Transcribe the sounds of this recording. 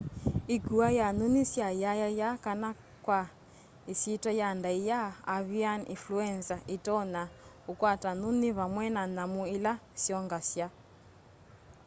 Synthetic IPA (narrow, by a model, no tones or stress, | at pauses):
iɡuajanunisjajajajakana | kwa | isitajandaijaːβianḭnfluɛnsaitɔna | ukwatanuniβamwɛnanamuilasjɔŋɡasja